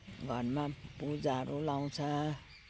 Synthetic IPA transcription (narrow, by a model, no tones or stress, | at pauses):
ɡʱʌrmapud͡zaɾulaw̃t͡sʰʌ